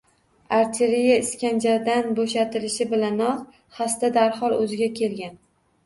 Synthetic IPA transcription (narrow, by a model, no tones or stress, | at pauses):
aɾt̪ʰeɾijaɪskʲand͡ʒaɾd̪anboʃat̪ʰɪlɪʃɪbɪlanɒq | hast̪ad̪aɾχɒlˠɵzɪɡʲakʲʰe̞lɡʲan